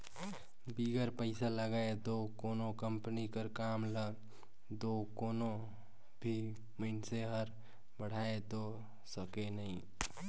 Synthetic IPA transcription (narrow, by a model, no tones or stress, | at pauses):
biːɡəɾpəɪsaləɡaːet̪okoːnõkə̃mpənikəɾkaːmləɡ | d̪okoːnõ | bʱi | məɪnseɦəɾ | bəɽ̤aːet̪o | səkenɐɦĩ